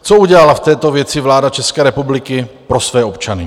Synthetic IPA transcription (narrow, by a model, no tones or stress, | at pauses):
t͡souɟɛlalaft̪ɛːt̪ovjɛt͡sɪvlaːdat͡ʃɛskɛːɾɛpublɪkɪpɾosvɛːopt͡ʃanɪ